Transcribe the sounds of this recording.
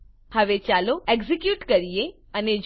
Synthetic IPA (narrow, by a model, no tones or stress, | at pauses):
həʋet͡ʃaloeɡzikjuʈkəɾije | əned͡ʒ